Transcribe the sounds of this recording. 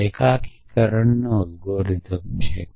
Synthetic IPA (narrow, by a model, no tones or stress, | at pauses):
ekakʰikəɾəɳnolɡoːɾid̪ʱəmt͡ʃʰḛ